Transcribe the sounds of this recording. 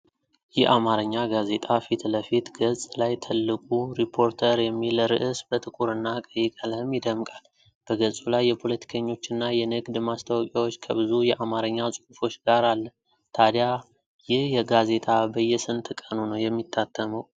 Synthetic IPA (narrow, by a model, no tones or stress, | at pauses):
jɛʔamaɾəɲːaɡaze̞t̪ʼafit̪ləfit̪ɡəsʼlajt̪ʰɨlːɨkʼuɾipʰo̞ɾt̪ʰəɾjɛmːiləɾɨ̰ʔɨsbət̪ʰɨkʼuɾɨnːakʼəjːɪkʼələhɨmjɪd̪əmkʼal | b̥əɡəsʼulajːɛpʰo̞lət̪ʰi̥kʰəɲːo̞t͡ʃːɪnːajɛnɨɡd̪mast̪ʰawkʼjawo̞t͡ʃːkʰəβɨzujɛʔamaɾəɲːasʼuhufo̞t͡ʃːɡaɾalːə | t̪ʰad̪ja | jɪhjɛɡaze̞t̪ʰʼabəjːɛsɨnt̪ʰɨkʼənunəwjɛmːit̪ʰːat̪ʰːəməw